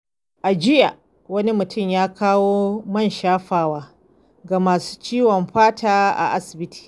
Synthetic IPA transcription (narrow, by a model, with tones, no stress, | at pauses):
ʔa˨d͡ʒɪ˦ja˨ | wɐ˦ni˦mʊ˨tʰʊ˦˨mjaː˦kʰaː˦woː˦mɐ˦˨nʃaː˦ɸaː˨waː˦ | ɡa˨maː˨su̥ː˦t͡ʃiː˦wɐ˨mɸaː˦taː˦ʔa̰˨ʔa˦sɪ̥˨bɪ˦tʰi̥ː˨